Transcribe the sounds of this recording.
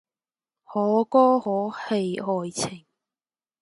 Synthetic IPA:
hɔː˨˥kɔː˥hɔː˨˥he˧jɔː˨jt͡sʰɪ˨˩ŋ

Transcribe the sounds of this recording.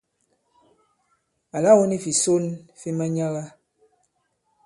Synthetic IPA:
a˨la˦wo˦ni˦fi˨so˦nfi˦ma˦ɲa˦la˦

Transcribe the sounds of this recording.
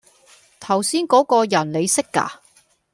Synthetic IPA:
t̪ʰɐ˨˩wsiː˥nkɔː˨˥kɔː˧jɐ˨˩nle˨˧jsɪ˥kːa̰ː˧

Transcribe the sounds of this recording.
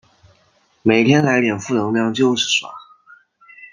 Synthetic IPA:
me˨˩ɪt̪ʰjɛ˥nla˧˥ɪljɛ˨˩nfu˥˩nɤ˧˥ŋljɑ˥˧ŋt͡ɕjo˥˧ʊʂɻ̩˥˩ʂwa̰˧˥

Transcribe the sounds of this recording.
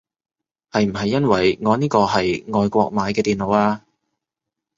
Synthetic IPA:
hɐ˨jm̩˨˩ɦɐ˨jːɐ˥nwɐ˨˩jŋɔː˨˧niː˥kɔː˧ɦɐ˨jŋɔː˨˧jkʷɔː˧k̚maː˨˧˥jkɛː˧t̪iː˨˩nlo˨˧waː˧

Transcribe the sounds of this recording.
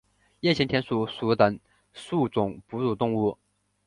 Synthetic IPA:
jɛ˥˩nt͡ɕʰi˧˥ŋt̪ʰjɛ˧˥nsu˨˩su˨˥t̪ə˨˩ŋ | su˥˩t͡sʊ˨˩˦ŋpu˧˥t͡su˨˩t̪ʊ˥˧ŋu˥˩

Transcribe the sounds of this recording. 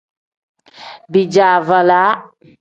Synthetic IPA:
bi˨d͡ʒaː˨va˨la˦

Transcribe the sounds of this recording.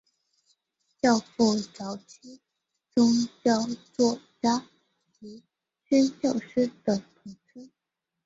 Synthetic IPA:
t͡ɕjɑ˥˧ʊfu˥˩ʈ͡ʂɑ˧˥ʊt͡ɕʰi˥ | ʈ͡ʂʊ˥ŋt͡ɕjɑ˥˧ʊt͡swɔ˥˩t͡ɕja˥ | t͡ɕi˧˥ | t͡ɕɛ˥nt͡ɕjɑ˥˩ʊʂɻ̩˥d̪ə˩p̪ʰɤ˧˥ŋt͡sʰə˥˦

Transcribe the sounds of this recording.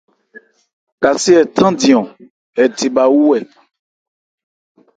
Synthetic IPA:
ka˨si˦ɛ˨tʰã˦dĩ˨ɔ̃˨ | ɛ˨ti˨ba˨wu˦wɛ˨

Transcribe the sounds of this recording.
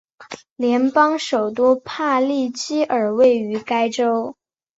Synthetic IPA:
ljɛ˧˥npɑ˥ŋʂo˨˩ʊt̪wɔ˥pʰa˥˧li˥˩t͡ɕi˥ʔə˞˨˩we˥˩ɪy˧˥ka˥ɪʈ͡ʂo˥ʊ

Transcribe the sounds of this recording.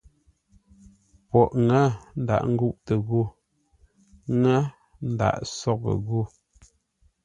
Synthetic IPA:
pɔ˨ʔŋa˦n̩˦da̰˨ʔŋ̩˦ɡu˦˨ʔtə˨ɣu˦ | ŋa˦ | n̩˦da̰˨ʔsɔ˦k̚ə̰˨ɣu˦˨

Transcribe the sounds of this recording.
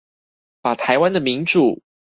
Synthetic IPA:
pa˨˩t̪ʰa˧˦ɪwa˥˦nd̪ə˨mi˧˥ŋʈ͡ʂu˨˩

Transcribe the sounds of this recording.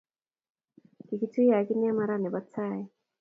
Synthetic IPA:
ki˨ki˨tu˦i˦ja˨ki˦ni˦a˦ma˦ɾa˦˨ni˨βa˦t͡saː˦˨je˨

